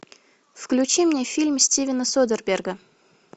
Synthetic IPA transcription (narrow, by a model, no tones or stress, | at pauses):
fklʲʉt͡ɕimnʲefʲilʲmsʲtʲivʲɪnəsʲod̪ərbʲerɡə